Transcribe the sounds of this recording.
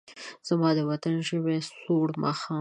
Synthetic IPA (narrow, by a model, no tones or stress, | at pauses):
z̥amɑd̪əwat̪anʒəwesoɽmɑ̰xɑ